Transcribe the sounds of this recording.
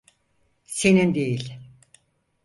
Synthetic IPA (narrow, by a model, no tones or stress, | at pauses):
senind̪ejilʲ